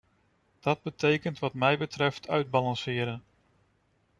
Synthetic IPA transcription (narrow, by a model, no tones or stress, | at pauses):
d̥ɑd̚bətejkəntʋɑtmɛjbətrɛftʰœ̰ɥd̚bɑlɑnsɪːɾən